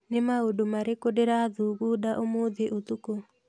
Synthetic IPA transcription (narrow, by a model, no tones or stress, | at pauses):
nemaodomaɾekodeɾaðuːɣudaʔomoðeʔot̪uko